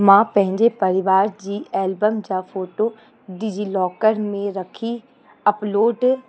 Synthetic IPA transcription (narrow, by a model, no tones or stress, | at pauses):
mãːpɛ̃ɦɪ̃ɲd͡ʒepəɾɪʋaːɾd͡ʒiːɛːlbəmd͡ʒaːpʰoːʈoː | ɖɪd͡ʒiːlɔːkəɾmẽɾəkʰiː | əploːɖ